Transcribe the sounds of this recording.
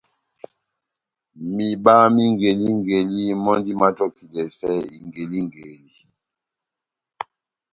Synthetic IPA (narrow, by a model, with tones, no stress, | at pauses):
mi˨ɓa˦mi˦ŋɡe˨li˦ŋɡe˨li˦mɔ˦ndi˦ma˦tɔ˦ki˨lɛ˨sɛ˦i˨ŋɡe˨li˦ŋɡe˨li˦